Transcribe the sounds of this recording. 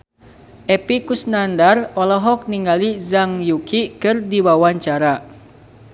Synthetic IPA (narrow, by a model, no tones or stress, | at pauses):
ʔɛpikusnandarɔlɔɦɔk̚niŋɡalizaŋjukikɨrdiwawaɲt͡ʃaɾa